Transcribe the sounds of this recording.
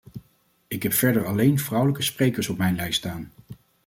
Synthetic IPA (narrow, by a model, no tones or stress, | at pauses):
ɪkɦɛpfɛɹdəɹɑlejnvrʌwləkəsprejkəɹsɔpmɛjnlɛjstaːn